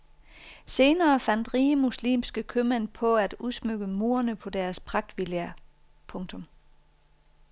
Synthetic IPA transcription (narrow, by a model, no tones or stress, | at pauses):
se̝ːnɐːfæn̰d̥ʁiːəmuslḭːmsɡ̥əkʰømænpʰɒ̽æd̥uðˠsmøɡ̥əmo̝ːɐnəpʰɒ̽d̥æɐspʰʁɑ̈ɡ̥̚d̥ʋilæɐ | pʰɔ̽ŋt͡sʰɔ̽m